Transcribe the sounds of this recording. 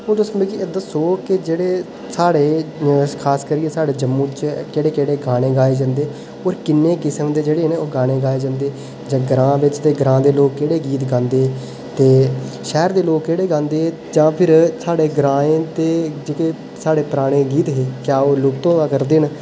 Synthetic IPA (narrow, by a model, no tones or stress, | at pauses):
õːd͡ʒʊsəẽːkiəd̪asoːkɪd͡ʒeːɽeː | saːɽeːkʰaːskəɾiːesaːɽeːd͡ʒəmːũːt͡ʃkeɽeːkeːɽeːɡaːɽ̃ẽːɡaːeːd͡ʒãːnd̪eː | oːɾkɪnːeːkɪsəmd̪eːd͡ʒeːɽeːneːoːɡaːɽ̃ẽːɡaːeːd͡ʒãːnd̪eː | d͡ʒãːɡɾãːʋɪt͡ʃt̪eːɡɾãːd̪eːloːkkːeːɽeːɡiːt̪ɡãːnd̪eː | t̪eːʃɛːɾd̪eːloːkːeːɽeːɡãːnd̪eː | d͡ʒãːpʰɪɾsaːɽeːɡəɾãːẽːt̪eːd͡ʒeːkeː | saːɽeːpɾaːɽ̃ẽːɡiːt̪ɦeːkjaːoːlʊp̚t̪õːaːkəɾd̪eːn